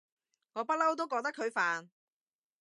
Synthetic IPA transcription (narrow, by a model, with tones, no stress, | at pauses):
ŋɔː˨˧˥pɐ˥t̚lɐ˥wt̪̬o˥wkɔː˧k̚t̪ɐ˥kʰːɵ˨˧ɥfaː˨n